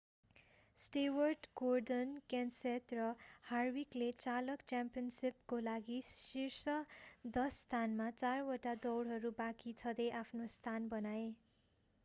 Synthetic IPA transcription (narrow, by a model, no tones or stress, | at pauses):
sʈewʌrɖɡorɖʌnkansetrʌharwiklet͡salʌkt͡sampijʌnsipkolaɡisirsʌd̪ʌsːt̪ʰanmat͡sarwoʈad̪ʌwɽɦʌɾubakit͡sʰʌd̪ejʔapʰnost̪ʰanbʌnae